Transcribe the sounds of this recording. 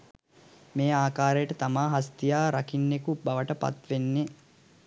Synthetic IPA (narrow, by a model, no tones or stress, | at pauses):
meːaːkaːɾejəʈət̪amaːɦast̪ijaːɾakinːekubaʋəʈəpa̰t̪ʋenːe